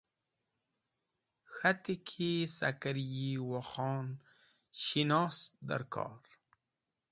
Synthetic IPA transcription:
xat̪ikʰisa̰kaɾjiwaxɑːn | ʃinɑːsd̪a̰ɾkʰɑ̰ːɾ

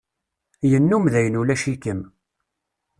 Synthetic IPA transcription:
jənːumðæjənulæʃikəm

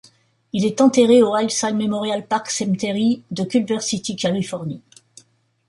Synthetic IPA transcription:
ilɛt̪ɑ̃t̪eʁeoʁajsalmemɔʁjalpaʁksɛmt̪eʁid̪əkʲylbœʁsit̪ikʲalifɔʁni

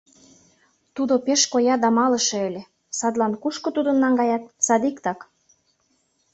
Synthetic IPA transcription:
t̪ud̪opeʃkojɑd̪ɑmɑlə̆ʃɤ̆elʲe | sɑd̪lɑnkuʃkŏt̪ud̪ə̆nːɑŋɡɑjɑt̪̚sɑd̪ikt̪ɑk

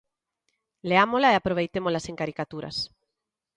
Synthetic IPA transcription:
leamolaeapɾoβ̞ejt̪emolaseŋkaɾikat̪uɾa̰s

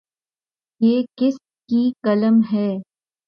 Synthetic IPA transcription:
jeːkɪs | kikɐləmɦɛː

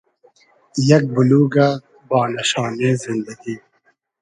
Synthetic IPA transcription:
jɐk̚bʊluːɡa | bɑːnɐɕɑːneːzɪnd̪ɐɡiː

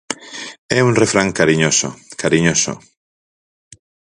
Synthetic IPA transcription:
ɛuŋrefɾaŋkaɾiɲoso̰kaɾiɲoso̰

